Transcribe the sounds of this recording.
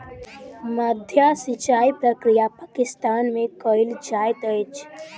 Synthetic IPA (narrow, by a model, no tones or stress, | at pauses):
mad̪ʱjasɪt͡ʃaːipɾəkɾijapakɪst̪aːnmẽkɔɪld͡ʒaːjt̪əjt͡ʃʰ